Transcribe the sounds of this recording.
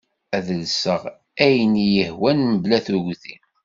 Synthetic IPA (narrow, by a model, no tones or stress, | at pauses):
æðəlsəʁ | æjənjəhwænməblæθuɣθim